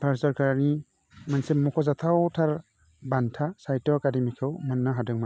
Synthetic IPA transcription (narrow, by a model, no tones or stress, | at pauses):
pʰaɾsɔɾkaɾni | mansemɔkʰɔzatʰawtʰaɾ | bantʰasajtɔakademikʰɯwmanːaɦadɯŋma